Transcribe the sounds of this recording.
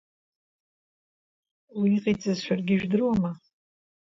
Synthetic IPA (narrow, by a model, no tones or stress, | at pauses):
wiiqʼit͡sʼazʃʷᶣarɡʲɪʒᶣdɨrwama